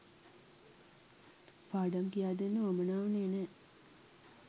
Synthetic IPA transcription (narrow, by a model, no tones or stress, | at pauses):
paːɖamkijaːd̪enːəomənaːʋuneːne